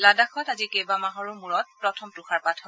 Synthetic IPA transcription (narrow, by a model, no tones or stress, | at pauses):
ladaxɔtazikebamaɦɔɹumuɹɔt̚pɹɔtʰɔmtuxaɹpatʰɔ